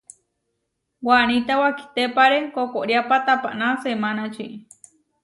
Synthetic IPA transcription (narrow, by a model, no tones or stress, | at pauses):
wanit̪awaki̥t̪epaɾekokoʔɾjapat̪apa̰ʔnasemanat͡ʃiʔ